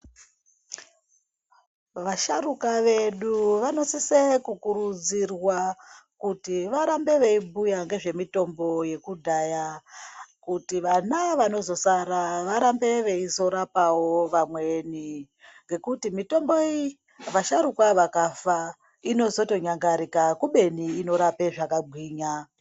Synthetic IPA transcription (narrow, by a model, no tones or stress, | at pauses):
ʋaʃarukaʋe̞ɗuʋano̞sisekukuɾud͡zirwakutiʋaɾambe̞ʋeibujaŋɡe̞ʐe̞mito̞mbo̞je̞kudʱaja | kutiʋanaʋano̞zo̞saɾaʋaɾambe̞ʋe̞izo̞ɾapawo̞ʋamwe̞ni | ŋɡe̞kutimito̞mbo̞i | ʋaʃaɾukwaʋakafa | ino̞zo̞to̞ɲaŋɡaɾikakuɓe̞niːno̞ɾape̞ʐakabʱwiːɲa